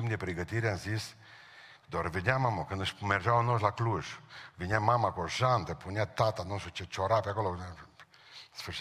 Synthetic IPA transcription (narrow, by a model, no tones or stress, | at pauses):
imd̪ipɾiɡət̪iɾjansis | d̪ɔɾviɲamamɔkənd̪əʃmɛɾʒaɔnɔʃlakluʒviɲamamakɔʒant̪ɛpuɲɛt̪at̪anɔʃut͡ʃət͡ʃɔɾapakɔlɔɛ | sfəɾʃ